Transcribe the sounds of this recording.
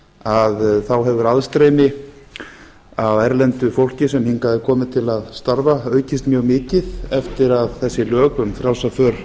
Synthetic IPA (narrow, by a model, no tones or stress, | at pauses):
aðθawɦɛvʏɾaðst̪ɾeːjmɪ | awɛɾlɛnt̪ʏfowl̥cɪsɛmhiŋkaðɪkʰɔːmɪt̪ʰɪlaðst̪aɾvaœːɥcɪst̪mjœːɣmɪːcɪðɛft̪ɪɾaðθɛsːɪlœːkʏmfɾjaw̪safœːɾ̥